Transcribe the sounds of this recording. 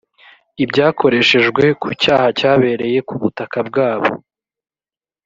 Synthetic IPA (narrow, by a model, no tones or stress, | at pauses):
ibɟaːko̞ɾe̞ʃe̞ʒɡwe̞kucaːhacaːβe̞ɾe̞je̞kuβutakab̚ɡaːβo̞̰